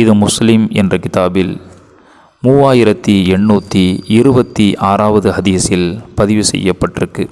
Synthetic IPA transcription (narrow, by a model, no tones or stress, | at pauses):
ɪðɯmʊslɪmɛ̰ndrɐkɪt̪aːbɪl | muːaːjɪɾɐt̪ːiɛɳːuːt̪ːiɪɾɯbɐt̪ːiʔaːɾaːʋɐðɯhɐðiːsɪlpɐðɪʋɯsɛ̰jːɐpːɐʈːrɯkːɯ